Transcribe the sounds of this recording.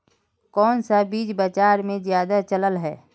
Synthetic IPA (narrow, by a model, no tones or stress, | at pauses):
kɔːnsabiːd͡ʒbət͡ʃaːɾmẽzjaːd̪at͡ʃələlɦɛː